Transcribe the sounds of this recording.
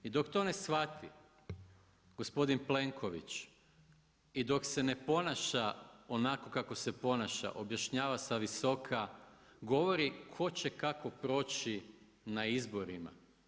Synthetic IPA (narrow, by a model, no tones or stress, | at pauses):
id̪o̞kt̪o̞ne̞sxʋat̪ʰḭ | ɡ̥o̞spo̞d̪inple̞ŋkʰo̞ʋḭt͡ʃ | id̪o̞kse̞ne̞po̞naʃao̞nako̞kakose̞po̞naʃa̰ʔo̞bjaʃɲaːʋasaʋiso̞kʰaɡo̞ʋo̞ɾikʰo̞t͡ɕe̞kako̞pɾo̞ːt͡ɕi | naizbo̞ɾima̰